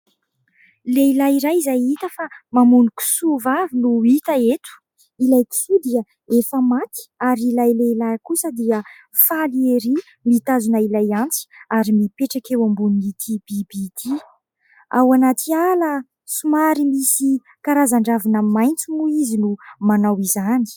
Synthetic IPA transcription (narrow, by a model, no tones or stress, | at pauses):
leilajiɾajizajit̪əfamamunuku̥suvavinuit̪aet̪u̥ | ilajki̥fud̪iə | efəmat̪i̥aɾilajleilakusəd̪iə | falieɾi | mit̪azunailajant͡si̥aɾimipeʈ͡ʂakewambuniit̪ʰibibit̪i | a̰wanat̪ʰialə | sumaɾimisi | kaɾazaɳɖ͡ʐavinamajnt͡sumuizinumanawizani̥